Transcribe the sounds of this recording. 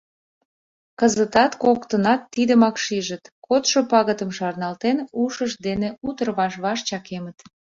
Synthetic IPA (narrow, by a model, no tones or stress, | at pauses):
kəzət̪ɑt̪kokt̪ənɑt̪ːid̪əmɑkʃiʒət̪kot̪ʃopɑɣət̪əmʃɑrnɑlt̪enuʃəʃd̪eneut̪ərβɑʃβɑʃt͡ɕɑkemət̪